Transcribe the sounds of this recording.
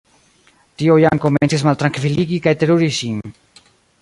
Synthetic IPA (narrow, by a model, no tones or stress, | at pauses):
t̪iojaŋkomẽnsezmalt̪ɾaŋkfiliɣikaet̪eɾuɾisim